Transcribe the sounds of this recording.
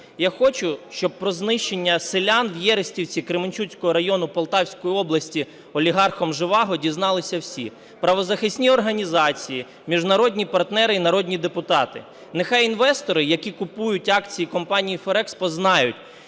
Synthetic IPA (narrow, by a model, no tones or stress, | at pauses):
jaxɔt͡ʃʊʃt͡ʃɔb̚pːɾɔznɪʃt͡ʃenʲːɐselʲanwjɛɾɪsʲtʲiwt͡sʲikɾɪmɪnʲt͡ʃut͡sʲkɔɦɔɾɐjɔnʊpɔlˠt̪ɑwsʲkɔjiɔblˠɐsʲtʲi | ɔlʲiɦɑrxɔmʒɪʋɑɦɔdʲiznɑlˠɪsʲɐwsʲḭ | pɾɐʋɔzɐxɪsʲnʲiɔrɦɐnʲizɑt͡sʲiji | mʲiʒnɐɾɔdʲnʲipɐrt̪nɛɾɪinɐɾɔdʲnʲid̪epʊt̪ɑt̪ɪ̰ | nexɑjinʋɛst̪ɔɾɪjɐkʲikʊpujʊtʲɑkt͡sʲijikɔmpɑnʲijifɔɾɛkspɔznɑjʊtʲ